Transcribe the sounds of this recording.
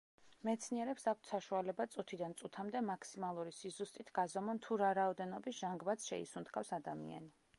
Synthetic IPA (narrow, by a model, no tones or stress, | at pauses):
mɛt̪sʰniɛɾɛpsak̚ʰt̪ʰsaʃualɛbat̪sʼut̪ʰid̪ant̪sʼut̪ʰamd̪ɛmakʰsimalˠuɾisizust̪ʼit̪ʰɡazɔmɔnt̪ʰuɾaɾaɔd̪ɛnɔbisʒ̥aŋɡbat̪sʃɛ̰ḭsunt̪ʰɡʰafsad̪amḭa̰ni